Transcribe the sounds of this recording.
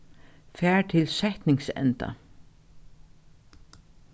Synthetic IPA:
fæːɹt̪ʰɪlsɛht̪nɪŋsɛ̰nt̪a̰

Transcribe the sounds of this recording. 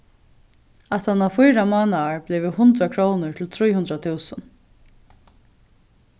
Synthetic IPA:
at̪hanːawfʊjɾamɔːnaːɹbleːʋɪhʊnt̪ɾakʰɹoːnʊɹt̪ʰɪlt̪ʰɾujhʊnt̪ɾat̪ʰuːsən

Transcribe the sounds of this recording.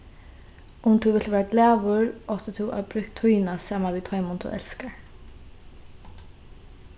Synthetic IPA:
ʔʊmt̪ʰuːʋɪlt̪ʋæːaɡlæːʋʊɹɔt̪ɪt̪ʰuːʔɑ̰bɾʉk̚t̪ʰujnasɑːmaʋiːt̪ʰɔʏmʊnt̪ʰṵːʔɛ̰lskaɹ

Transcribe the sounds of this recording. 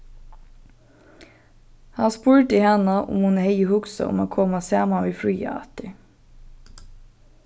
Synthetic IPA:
hɑnspuːɹt̪əihɛnəʔʊ̰mhʊnheɪəhʊksə̰ʔʊ̰mo̰ːkʰɔmɑsæːmɑʋiːfɾyːɑ̰ɑ̰t̪ɪ

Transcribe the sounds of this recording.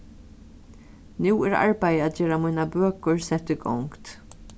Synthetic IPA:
niwɪɾɐ̰ɾpɐjɐd͡ʒɛɾɐmɪnɐbɛkːɔɾsɛt̪ːɪɡɔ̰ŋkt̪

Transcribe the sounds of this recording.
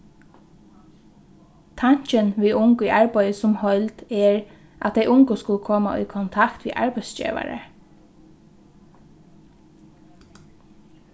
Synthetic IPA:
t̪ʰɑɲt͡ʃənʋiːʔʊŋkʊiːʔɑɹbœʏəsʊmhɔʏlt̪eːɹ | ʔɑt̪̚d̪eɪʔʊŋɡʊskʊləkʰɔːmɑʔiːkʰʊnt̪ʰɑkt̪ʰʋḭːʔɑ̰ɹbæɪsd͡ʒḭːʋɑ̰ɹə̰

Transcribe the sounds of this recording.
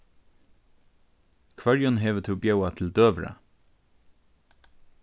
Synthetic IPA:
kʰʋœɹjʊnɦeːʋət̪ʰuːbjœʉɑt̪ʰɪl̩d̪øːʋɾə̰

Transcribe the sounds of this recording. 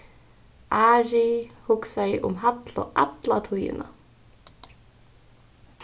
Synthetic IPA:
aːɾihʊksajɪʔʊmɦat̪lɔ̰ʔat̪lat̪ʰujɪ̰na

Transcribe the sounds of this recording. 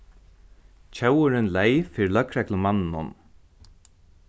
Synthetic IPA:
t͡ɕʰœwʊɾɪnlɛjfiːɾlœkɾɛklʊmanːnʊ̰n

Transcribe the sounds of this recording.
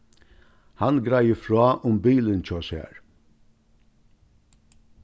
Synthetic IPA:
hanɡɾajəfɾɔːʔʊmbiːlənt͡ʃɔshɛ̰ːɹ

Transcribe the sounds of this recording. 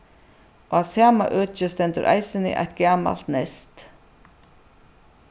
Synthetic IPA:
oasaːma̰ʔœːt͡ʃɪst̪ɛnt̪ʏɾʔa̰jsɪnɪ̰ʔa̰jt̪ɡaːma̰l̥t̪nɛst̪

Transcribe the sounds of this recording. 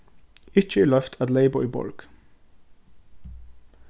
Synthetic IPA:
ɪt͡ʃəiːlœft̪ʰæt̪leɪbɔʏbɔ̰lɡ̥

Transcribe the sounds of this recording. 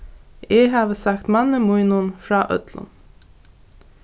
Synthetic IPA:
ɛɦaːʋəsakt̪manːəmujnʊnfɹɑːʔœ̰t̪lʊ̰n

